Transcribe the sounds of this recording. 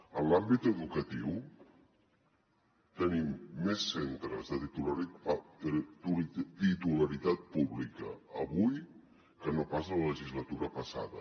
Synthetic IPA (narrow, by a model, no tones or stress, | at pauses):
əlambit̪əðukət̪iw | t̪ənimːesːent̪ɾəzðət̪it̪ulɾ | ut̪it̪uləɾit̪at̪̚puβlikəːβuj | kənopasələləʒizlət̪uɾəpəsa̰ðə